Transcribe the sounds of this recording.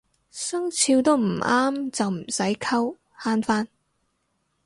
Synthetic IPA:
sɐ˥ŋt͡sʰiː˧wt̪o˥wm̩˨˩aː˥mt͡sɐ˨wm̩˨˩sɐ˨˥jkʰɐ˥w | haː˥nfaː˥n

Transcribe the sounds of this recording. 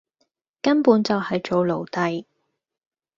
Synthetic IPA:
kɐ˥npuː˨˥nt͡sɐ˨whɐ˨jt͡ʃo˨wlo˨˩wt̪ɐ˨j

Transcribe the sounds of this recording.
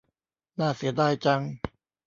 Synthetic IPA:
naː˥˩si˩˦ɐdaː˥˩jt͡ɕa˧ŋ

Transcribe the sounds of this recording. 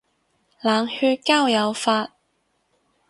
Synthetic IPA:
laː˨˩ŋhyː˧t̚kaː˥˩wjɐ˨˧wfaː˧t̚

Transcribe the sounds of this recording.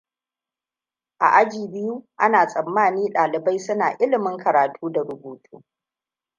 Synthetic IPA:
ʔa̰˨ʔa˦d͡ʒiː˨bɪ˦ju˦ʔa˦naː˨sʼɐ˨mːaː˦niː˦ɗaː˨lɪ˨ba˦jsʊ˦naː˨ʔɪ˦lɪ˨mɪ˦ŋkʰɐ˨ɾaː˨tʰuː˦da˨ɾʊ˦buː˨tʰṵː˦

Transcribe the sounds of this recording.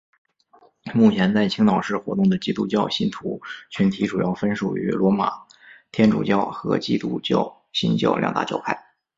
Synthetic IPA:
mu˥˩t͡ɕʰjɛ˧˥nt͡sa˥˩ɪt͡ɕʰi˥ŋt̪ɑ˨˩ʊʂɻ̩˥˩xwɔ̰˧˥t̪ʊ˥˩ŋd̪ə˩t͡ɕi˥˧t̪u˥˧t͡ɕjɑ˥˧ʊɕi˥nt̪ʰu˧˥t͡ɕʰy˧˥nt̪ʰi˧˥ʈ͡ʂu˨˩jɑ˥˩ʊfə˥nʂu˨˩y̰˧˥lwɔ˧˥ma̰˨˩ | t̪ʰjɛ˥nʈ͡ʂṵ˨˩t͡ɕjɑ˥˩ʊxɤ̰˧˥t͡ɕi˥˧t̪ṵ˥˧t͡ɕjɑ˥˩ʊ | ɕi˥nt͡ɕjɑ̰˥˩ʊljɑ̰˨˩ŋt̪a̰˥˧t͡ɕjɑ̰˥˧ʊpʰa˥˩ɪ

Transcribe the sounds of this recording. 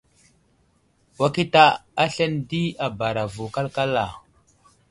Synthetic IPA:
wa˦ki˦ta˦a˦ɬe˦ndi˦a˨ba˨ɾa˨vu˨ka˦lka˦lːa˨

